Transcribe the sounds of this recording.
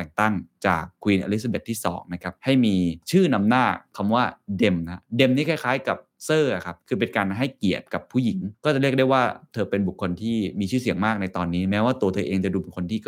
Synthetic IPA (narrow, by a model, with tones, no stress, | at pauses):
ɛ˨˩ŋt̪a˥˩ŋt͡ɕa̰ː˨˩kʰːwiː˧nʔa̰˧li˦˥sa˧be˨˩t̪ʰːiː˥˩sɔ̰ː˩˦ŋna˦˥kʰa˦˥p̚ha˥˩jmiː˧t͡ɕʰɯː˥˩na˧mnaː˥˩kʰːa˧mwaː˥˩de˧mna˦˥de˧mniː˦˥kʰa˥˩jkʰaː˦˥jka˨˩p̚sɤː˥˩ʔa˨˩kʰa˦˥p̚kʰɯː˧p̬e˧nkaː˧nɦa˥˩jki˨˩ət̪̚ka˨˩pʰːuː˥˩ji˩˦ŋkɔː˥˩t͡ɕa˨˩ɾi˥˩ək̚da˥˩jwaː˥˩t̪ʰɤː˧pe˧nbu˨˩kʰːo˧nt̪ʰiː˥˩miː˧t͡ɕʰɯː˥˩si˨˩˦əŋmaː˥˩k̚na˧jt̪ɔː˧nːiː˦˥mɛː˦˥waː˥˩t̪u˧ɐt̪ʰɤː˧ʔeː˧ŋt͡ɕa˨˩duː˧bkʰo˧nt̪ʰiː˥˩